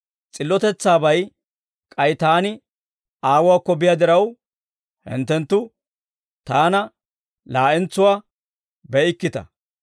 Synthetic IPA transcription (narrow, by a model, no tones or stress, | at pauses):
t͡sʼɪlːɔt̪ɛt͡sːaːbɐj | kʼɐjt̪aːnɪ | aːwʊwaːkːɔbɪjɐd̪ɪɾɐw | hɪ̰nt̪ːɛnt̪ːʊ | t̪aːnɐ | laːʔɛnt͡sːʊwaː | bɛɪkːɪt̪ɐ̰